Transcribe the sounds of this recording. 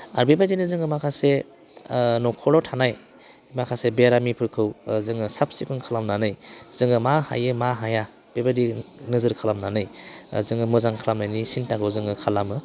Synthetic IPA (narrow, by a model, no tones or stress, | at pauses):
a̰ɾbebajdinɯzɯŋɯmakʰase | nɔkʰɔɾɔtʰanaj | makʰasebeɾamipʰɯɾkʰɯwzɯŋɯsap̚sikʰunkʰalamnanɯjz̥ɯŋɯmaha̰jɯmaɦaja | b̥ebajdinɯzɯɾkʰalamnanɯjzɯŋɯmɯzaŋkʰalamnajnisintakʰɯwzɯŋɯkʰalamɯ